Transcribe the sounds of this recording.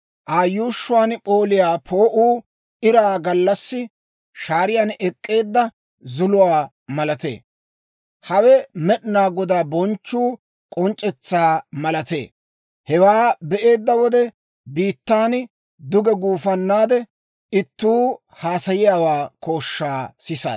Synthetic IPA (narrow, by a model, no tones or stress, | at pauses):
ʔaːjːuːʃːʊwaːnpʼo̞ːlɪjaːpʰoːʔuː | ʔɪɾaːɡɐlːɐsːɪ | ʃaːɾɪjaːnɛkʼːe̞ːd̪ːɐ | zʊlʊwaː | mɐlɐt̪ḛː | hɐwɛmɛɗnaːɡɔd̪aːbɔnt͡ʃːuː | kʼɔnt͡ʃʼːɛt͡sːaːmɐlɐt̪e̞̰ː | hɛwaːbɛʔe̞ːd̪ːɐwɔd̪ɛ | biːt̪ːaːn | d̪ʊɡɛɡuːfɐnːaːd̪ɛ | ɪt̪ːuː | haːsɐjɪjaːwaːko̞ːʃːaːsɪsa̰